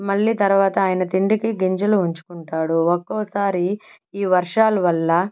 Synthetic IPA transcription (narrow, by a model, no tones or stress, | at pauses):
mɐɭːiːt̪ɐɾuʋaːt̪ɐaːjnɐt̪iɳɖikiɡiɲd͡ʒɐluuɲt͡ʃu̥kuɳʈaːɽuɔkːɔːsaːɾi | iːʋɐɾʂaːlɐʋɐlːɐ